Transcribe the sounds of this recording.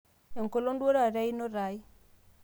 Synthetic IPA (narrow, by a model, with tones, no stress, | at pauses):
ɛ˨ŋko˨lo˦ndwo˦ɾa˨ɾɛ˦i˦no˦ɾa˨i˦